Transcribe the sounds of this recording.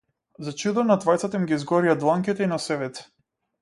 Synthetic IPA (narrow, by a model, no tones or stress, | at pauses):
zat͡ʃud̪ɔnat̪vajt̪sat̪aimɡʲizɡɔɾijad̪lˠaŋkʲit̪ɛinasɛvɛt̪ɛ̥